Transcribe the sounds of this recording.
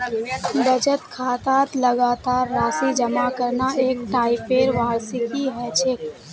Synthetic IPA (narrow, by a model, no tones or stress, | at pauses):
bəd͡ʒət̪kʰaːt̪aːt̪ləɡaːt̪aːɾːaːsid͡ʒəmakəɾnaeːk̚ʈaːɪpeːɾʋaːɾsikiɦɛt͡ʃʰek